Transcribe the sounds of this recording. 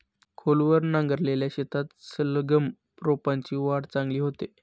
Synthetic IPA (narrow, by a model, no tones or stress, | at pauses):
kʰolʋəɾnãŋɡəɾleljaɕet̪ʰat̪sələɡəm | pɾopaɲt͡ɕiːʋaɽt͡sãŋɡliːɦot̪e